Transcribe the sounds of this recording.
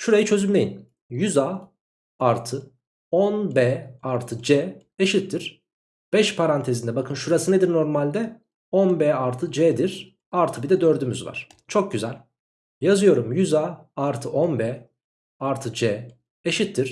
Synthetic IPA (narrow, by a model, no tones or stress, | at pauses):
ʃuɾajit͡ʃʰø̞zynme̞jim | jyzaː | aɾt̪ʰɯ | onbɛaɾt̪ʰɯd͡ʒɛː | eʃit̪ʰːiɾ̥ | b̥ɛʃpʰaɾant̪ʰezind̪ɛbakʰɯnʃuɾasɯned̪iɾno̞ɾmalʲd̪ɛ | onbɛːaɾt̪ʰɯd͡ʒɛːd̪iɾ̥ | aɾt̪ʰɯbid̪ɛd̪øɾd̪ymyzva̰ɾ̥ | t͡ʃʰo̞k̚ɟyzælʲ | jazɯjo̞ɾumjyzaː | aɾt̪ʰɯʔonbɛ | aɾt̪ʰɯd͡ʒɛː | eʃit̪ʰːiɾ̥